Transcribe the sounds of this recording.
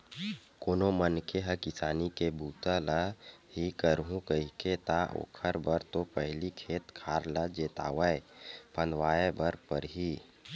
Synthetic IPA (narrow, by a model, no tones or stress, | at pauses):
koːnomənkeɦəkɪsaːnikebuːt̪alahikəɾɦũkəɦiket̪aʔo̰ːkʰəɾbəɾt̪opəɦlikʰeːt̪kʰaːɾlad͡ʒeːt̪a̰ːwəepə̃nd̪waːjebəɾpəɾɦiː